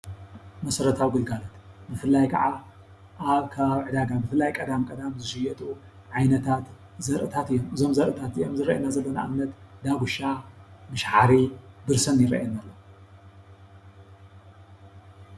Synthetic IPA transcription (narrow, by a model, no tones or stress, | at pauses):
mɐsɐɾɐt̪ʰawɡɨlɡalat̪bɨfɨlːajkʰɐ̰ʕa | ʔaβkʰaβaβʕɨd̪aɡabɨfɨlːajkʼɐd̪amkʼɐd̪amzɨʃɨjɛt̪ʼu | ʕajnɐt̪ʰat̪ | zɐɾʔɨt̪ʰat̪ɨjːomɨzo̞mzɐɾʔɨt̪ʰat̪ijo̞mzɨɾɐʔɐnazɐlːɐna̰ʔɨmnɐt̪d̪aɡuʃamɨʃħaɾibɨɾsɐnjɪɾɐ̰ʔɐnalːɐ